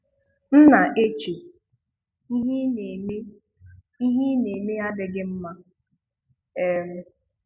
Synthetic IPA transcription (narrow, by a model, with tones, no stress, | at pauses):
n̩˦na˨ʔe˦t͡ʃe˨ | i˦ɦne˨me˦ | i˦ɦi˦ne˨me˦a˦dɪ˨ɡɪ˦m̩˦ma˦ | e˦ɾe˦